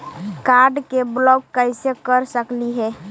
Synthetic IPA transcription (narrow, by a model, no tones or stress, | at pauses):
kaɾɖkeblɔkːəɪsekəɾsəkliɦɛ